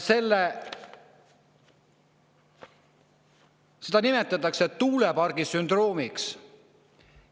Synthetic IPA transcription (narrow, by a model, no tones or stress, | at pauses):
se̞lːe | se̞d̪ɑnime̞t̪ːˑɑt̪ːˑɑkse̞t̪uːlepɑrɡ̥isynd̪ro̞ːmiks